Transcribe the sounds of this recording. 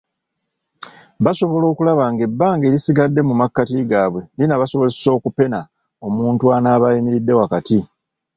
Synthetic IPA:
βaso̞βo̞lo̞ːkulaβaŋɡe̞bːaːŋɡe̞ːɾisiɡadːe̞mumakːatiɡaːβwe̞ninaβaso̞βoeso̞ːkupe̞na | o̞muːntuanaːβajimiɾidːe̞wakati

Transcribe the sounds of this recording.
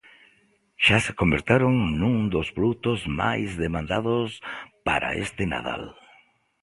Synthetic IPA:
ʃase̥kombeɾt̪eɾoŋnũŋd̪ospɾout̪ozma̰jzðemãnd̪að̞ʊspa̰ɾa̰ḛst̪ena̰ða̰l

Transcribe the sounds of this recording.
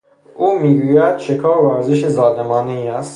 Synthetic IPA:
ʔuːmiːɡuːjæd̪̥ʃekʰɒːɾvæɾzeʃezɒːd̪emɒːneiːæst̪

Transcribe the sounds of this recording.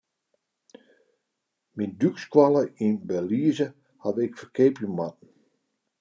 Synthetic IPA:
mindykskwaləinbɛliəzə | hadɪkfərkʰeːpjəmat̚n̩

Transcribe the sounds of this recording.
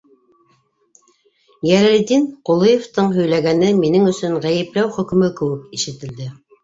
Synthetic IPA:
jælɘ̆ld̪inqulˠɤjeft̪ɤɴɦɵ̆jlæɡænɘminɘŋɵ̆sɵɴʁæjɘ̆plæwχɵ̆kɵ̆mɵkɘ̆wɘkiʃɘ̆t̪ɘ̆ld̪ɘ

